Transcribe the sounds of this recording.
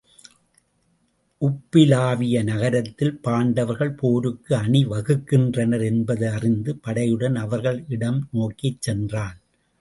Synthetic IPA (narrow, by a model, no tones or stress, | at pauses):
ʔʊpːɪlaːʋɪjɐnɐɣɐɾɐt̪ːɪlpaːɳɖɐʋɐɾɣɐɭpoːɾɯkːɯɐɳɪʋɐɣɯkːɪndrɐnɐɾɛnbɐðɯɐrɪnd̪ɯpɐɽɐjɯɽɐnɐʋɐɾɣɐɭɪɽɐmnoːkːɪt͡ʃːɛndraːl